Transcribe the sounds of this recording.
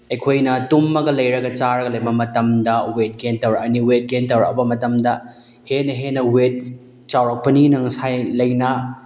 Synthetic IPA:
ɐjkʰojnɐtumːɐɡɐlɐjɾɐɡɐt͡ʃaɾɐɡɐlɐjbɐmɐtɐmdɐwet̚ɡentɐwɾɐk̚ɐniwet̚ɡentɐwɾɐ̰kɐbɐmɐtɐmdɐ | henɐɦenɐwet̚ | t͡ʃawɾɐk̚pɐninɐŋsajlɐjnɐ

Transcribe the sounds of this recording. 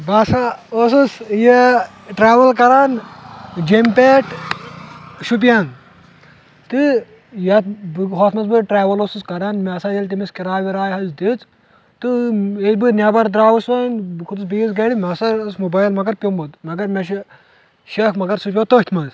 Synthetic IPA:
baːsaoːsɨsje | ʈɾaːʋɐlkɐɾaːn | d͡ʒempʲeːʈ | ʃup̬ijaːn | t̪ɨ | jɐt̪̚bɦoːt̪ʰmɐsbɨʈɾaːʋɐloːsuskɐɾaːnmʲɐsaːjɐlʲt̪̬imiskiɾaːʋiɾaːjɦɐzd̪it͡s | t̪ɨet̪bɨnʲabɐɾd̪ɾaːwusɐnkʰut̪ɨsbijizɡɐɽimʲɐsɐɾsmobaːjlmɐɡɐɾpʲombot̪mɐɡɐɾmʲɐʃ | ʃɐkmɐɡɐɾsupʲjot̪oht̪ʰmɐz

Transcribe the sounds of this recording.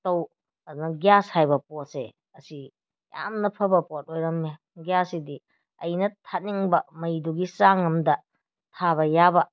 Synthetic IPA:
tɐw | ɐdunɐɡjashajbɐposḛ | ɐsi | ja̰mnɐpʰɐbɐpot̚ojɾɐmne | ɡjasidi | ɐjnɐtʰat̚niŋbɐmɐjduɡisaŋɐmdɐ | tʰabɐjabɐ

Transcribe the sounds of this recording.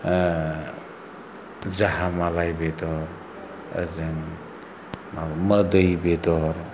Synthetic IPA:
zaɦamalajbedɔɾ | ə̰zɯŋ | mamədəjbedɔɾ

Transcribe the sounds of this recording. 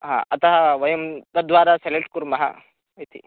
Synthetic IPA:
ɦã̰ːʔɐt̪ɐɦɐʋɐjɐmt̪ɐd̪ʋaːɾaseleʈ̚kuɾmɐɦɐ̰ | ʋit̪ʰḭ

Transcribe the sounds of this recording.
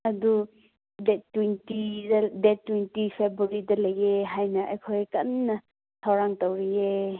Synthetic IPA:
ɐdu | detːwintidetːwintipʰebuɾidɐlɐjeɦajnɐʔɐjkʰojkɐ̰nːɐ | tʰawɾaŋtɐwɾie

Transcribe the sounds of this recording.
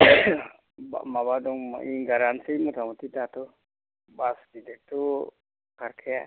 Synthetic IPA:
ba̰mabad̪ɔŋm̰ʔiŋɡaɾansimɔt̪amɔt̪it̪at̪ɔ | basdid̪ɛt̪ɔ | kaɾkʰɛja

